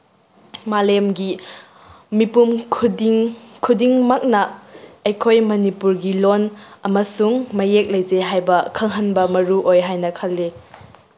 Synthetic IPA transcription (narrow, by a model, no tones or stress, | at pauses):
malemɡi | mipumkʰudiŋkʰudiŋmak̚nɐɐjkʰojmɐnipuɾɡilonɐmɐsuŋmɐjek̚lɐjd͡ʒeɦajbɐkʰɐŋɦɐnbɐmɐɾuʔojɦajnɐkʰɐlːe